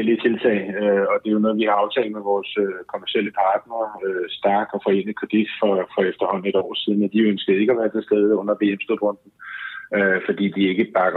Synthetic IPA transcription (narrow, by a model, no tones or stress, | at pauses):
elit͡sʰe̝lt͡sʰɛ̰ːɪøɒ̽d̥e̝jo̝nɔ̽ːð̞̩ˠʋihɑ̈ɑ̈ʊt͡sʰɛ̰ːld̥̚meʋɒːsøkʰo̝mæɐsiel̰əpʰɑ̈ːd̥nɐːøsd̥ɑ̈ːd̥ɒ̽fɒ̽e̝̰nəðˠkʰʁɛd̥id̥fɒfɒ̽efd̥ɐhɒ̽n̰̩e̝ɾ̥ɒ̰ːsið̞ˠn̩æd̥iønsɡ̥əð̞̩ˠe̝ɡ̥æʋæːɐt͡sʰe̝sd̥eð̞ˠɔ̽n̰ɐʋe̝̰ːemsd̥o̥ʁɔ̽n̰d̥n̩øfɒ̽d̥ḭːd̥ie̝ɡ̥əb̥ɑ̈ɡ̥ɐ